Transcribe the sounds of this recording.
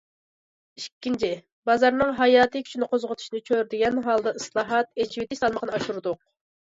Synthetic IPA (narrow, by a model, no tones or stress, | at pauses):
iʃkʲːint͡ʃʰɪ | bɑzɑɾnɨŋɦɑjɑːt̪ʰɨkʲʰy̥t͡ʃʰnɨqozʁʊt̪ʰu̥ʃinɨt͡ʃʰøɾd̪ɪɡʲɛnɦɑlˠd̪ɑɨslˠɑːɦɑt̪et͡ʃʰiwet̪ʰɪʃsɑlˠməqnɨɑʃuɾud̪ʊq